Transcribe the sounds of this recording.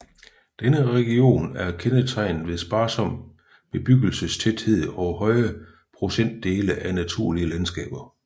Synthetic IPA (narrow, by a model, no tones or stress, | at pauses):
d̥enəʁɛɡ̥io̝̰ːnæɐkʰenət͡sʰɑ̈ɪ̰n̩ʋe̝ðˠsb̥ɑ̈ːsɒ̽m̰ | meb̥yɡ̥əl̩səst͡sʰed̥he̝ð̞̰ˠɒ̽ɦɒ̽ɪɐ | pʰʁo̝sen̰d̥ːe̝ːləʔænæt͡sʰuɐ̰liəlænsɡ̥ɛ̰ːb̥ɐ